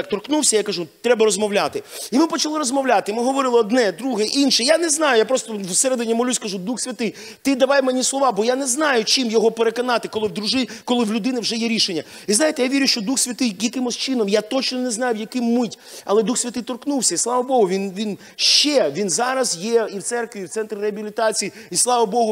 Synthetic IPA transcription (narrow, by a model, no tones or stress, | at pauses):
k̚t̪ɔrknuwsʲɐjakɐʒut̪ɾɛbɐɾɔzmɔwlʲat̪ɪimɪpɔt͡ʃɐlˠɪɾɔzmɔʋlʲat̪ɪmɪɦɔʋɔɾɪlˠɪɔd̪nɛd̪ɾuɦɛʔinʃɛjanɛznɑjʊjapɾɔst̪ɔwseɾɛd̪ɪnʲːimɔlʲusʲkɐʒud̪uxsʲʋʲɐt̪ɪj | t̪ɪd̪ɐʋɑjmenʲislˠɔʋɑbɔjanɛznɑjʊt͡ʃɪmjɔɦɔpeɾekɔnɑt̪ɪkɔlˠɪwd̪ɾʊʒɪkɔlˠɪwlʲʊd̪ɪnɪwʒɛjɛɾʲiʃenʲːɐ | iznɑjet̪ɛjaʋʲiɾʲʊʃt͡ʃɔd̪uxsʲʋʲɐt̪ɪjjɐkɪmɔsʲt͡ʃɪnɔmjat̪ɔt͡ʃnɔnɛznɑjʊjɐkɪmːɪtʲɐlˠɛd̪uxsʲʋʲɐt̪ɪjt̪ɔrknuwsʲɐislˠɑʋɐbɔɦʊʋʲinʋʲin | ʃt͡ʃɛʋʲinzɑɾɐzjɛiwt̪sɛrkʋʲiːwt̪sɛnt̪ɾʲɪɾeɐbʲilʲɪt̪ɑt͡sʲijiislˠɑʋɐbɔɦʊ